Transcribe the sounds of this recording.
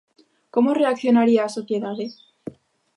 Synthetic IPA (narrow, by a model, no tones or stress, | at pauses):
ko̞mo̞re̞akθjo̞naɾiaːso̞θje̞ðaðe̞